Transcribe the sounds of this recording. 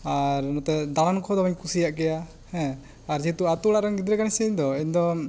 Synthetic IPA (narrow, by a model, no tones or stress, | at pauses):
aɾnɔt̪ɛd̪aɽankʰɔd̪ɔbɛɲkusijaʔkɛja | hɛ̃ | aɾd͡ʒit̪uat̪ulaʔɾaŋɡid̪ɾɛkanisɛɲd̪ɔiɲd̪ɔ